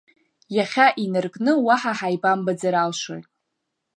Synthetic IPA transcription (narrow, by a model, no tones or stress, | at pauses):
jaχʲaʔinɨrkʼnɨwaħaħajbambad͡zaɾalʃʷa̰rtʼ